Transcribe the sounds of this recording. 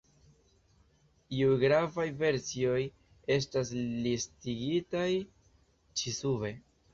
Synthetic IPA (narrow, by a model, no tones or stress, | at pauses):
ioɡɾavajve̞ɾsio̞j | e̞s̬tas̬listiɡitaj | t͡ʃisuve̞